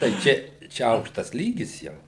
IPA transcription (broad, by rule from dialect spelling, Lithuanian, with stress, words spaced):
tɐɪ ˈt͡ʃʲɛ ˈt͡ʃʲɛ ˈɐʊkʃtɐs ˈlʲiːɡʲɪs jɛʊ